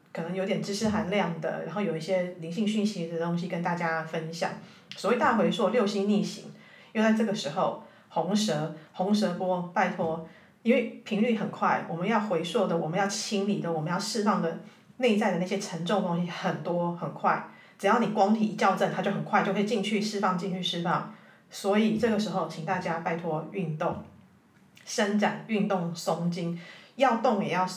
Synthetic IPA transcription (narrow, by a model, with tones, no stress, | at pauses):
kʰɤ˨˩nɤ˧˦ŋjo˧ʊt̪jɛ˨˩nʈ͡ʂɻ̩˥ʂɻ̩˥xa˨˩nljɑ˥˩ŋd̪ə̰˩ɻa̰˧˥nxo˥˩ʊjo˨˩ʊi˥˩ɕjɛ˥li˧˥ŋɕi˥˧ŋɕy˥˩nɕi˧˥d̪ə˨˩t̪o˥ŋɕi˧kə˦nt̪a˥˩t͡ɕja˥fə˦nɕjɑ̰˨˩˦ŋ | swɔ˨˧˥we˥˩t̪a˥˧˩xwe˧˥ɪswɔ˥˩ljo˥˩ʊɕi˥nni˥˩ɕḭ˧˥ŋ | jo˥˧ʊt͡sa˥˧ɪʈ͡ʂɤ˥˩ɡə˩ʂɻ̩˧˥xo˥˩ʊ | xʊ˧˥ŋʂɤ˧˥hʊ˧˥ŋʂɤ˧˥pwɔ˥pa˥˩ɪt̪ʰwɔ˥ | i˥nwe˥˩pʰi˧˥ŋly˥˩xə˨˩nkʰwa˥˩ɪwʔɔ˨˩mə˨˦njɑ˥˩ʊxwe˧˥ɪswɔ˥˩d̪ə˩wɔ˨˩mə˨˦njɑ˥˩ʊt͡ɕʰi˥nli˨˩d̪ə˩˦wɔ˨˩mə˦jɑ˥˧ʊʂɻ̩˥˧fɑ˥˩ŋd̪ə˩ | ne˥˧ɪt͡sa˥˩ɪə˩na˥˩ɕjɛ˥ʈ͡ʂʰə˧˥ŋʈ͡ʂo˥˩ŋt̪oʊ˥ŋɕi˥xə˨˩nt̪wɔ˥xə˨˩nkʰwa˥˩ɪ | ʈ͡ʂɨ˨˩jɑ˥˩ʊni˨˩kwɑ˥ŋt̪ʰi˨˩i˧t͡ɕjɑ˥˧ʊʈ͡ʂə˥˩nt̪a˥t͡ɕjo˥˩ʊxə˨˩nkʰwa˥˧t͡ɕo˥˩ʊkʰːi˨t͡ɕi˥˧ŋt͡ɕʰy˥˩ʂɻ̩˥˧fɑ˥˧ŋt͡ɕi˥˧nt͡ɕʰy˥˧ʂɻ̩˥˧fɑ˥˩ŋ | swɔ˧˥i˨˩ʈ͡ʂɤ˥˩ɡə˩ʂɻ̩˧˥xo˥˧ʊt͡ɕʰi˨˩ŋt̪a˥˩t͡ɕja˥pa˥˩ɪt̪ʰwɔ˥y˥˧nt̪ʊ˥˩ŋ | ʂə˦˥nʈ͡ʂa˨˩ny˥˧nt̪ʊ˥˩ŋsʊ˥ŋt͡ɕi˥njɑ˥˧ʊt̪ʊ˥˩ŋjɛ˨˩jɑ˥˩ʊ